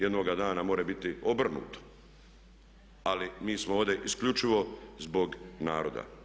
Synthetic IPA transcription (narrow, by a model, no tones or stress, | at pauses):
jed̪noɡad̪aːnamo̞ːɾebit̪io̞br̩nṵːt̪o̥ | alimiːsmooːʋd̪e̞ʔiskʎut͡ʃiʋo̞zbo̞ɡnaːɾo̞d̪a̰